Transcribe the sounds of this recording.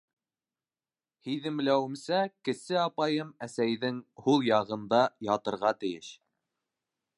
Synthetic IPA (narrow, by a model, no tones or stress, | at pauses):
hiðɘ̆mlæwɘ̆msækɘ̆sɘɑpɑjɤmæsæjðɘŋhulˠjɑʁɤ̆nd̪ɑjɑt̪ɤ̆ɾʁɑt̪ɘ̆jɘʃ